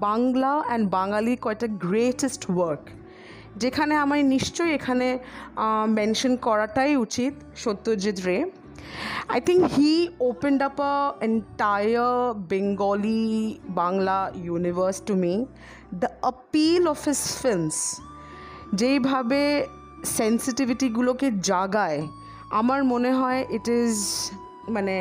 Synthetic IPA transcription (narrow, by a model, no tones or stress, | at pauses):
baŋlaɛ̃nbaŋalikɔek̚ʈaɡɾeʈesʈwəɾk | d͡ʑekʰaneamaɾniʃt͡ʃojekʰane | mɛ̃nʃonkɔɾaʈajut͡ɕit̪ | ʃot̪ːod͡ʑid̪ɾe | ajt̪ʰiŋkhiopeɳɖapəẽɳʈajəbeŋɡɔlibaŋlajunivəɾsʈumi | d̪əəpilɔfhɪz̥fɪlms | d͡ʑejbʱabe | sensiʈiviʈiɡuloked͡ʑaɡae | a̰maɾmoneɦɔeʔɪʈɪz | mane